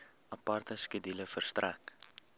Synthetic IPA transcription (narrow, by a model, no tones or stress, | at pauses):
ʔɐpɐrt̪əskədiləfərstrʔæ̰k